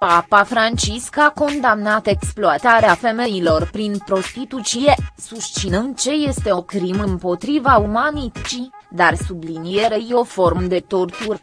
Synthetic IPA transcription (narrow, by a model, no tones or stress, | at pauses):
papafɾant͡ʃiskako̞nd̪amnat̪e̞ksploat̪aɾeafe̞me̞ilo̞rpɾinpɾo̞st̪it̪ut̪t͡ʃije̞sust͡ʃinɨnd̪̚t͡ʃe̞je̞st̪e̞o̞kɾimɨmpo̞t̪ɾivaumanit͡ʃid̪arsublinije̞ɾejeofo̞rmd̪e̞t̪o̞rt̪ur